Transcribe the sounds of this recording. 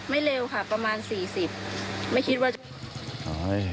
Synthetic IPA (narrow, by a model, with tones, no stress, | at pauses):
ma˥˩jleː˧wkʰa˥˩pɾa˧maː˧nsiː˨˩si˨˩p̚ma˥˩jkʰi˦˥waː˥˩ | a˦j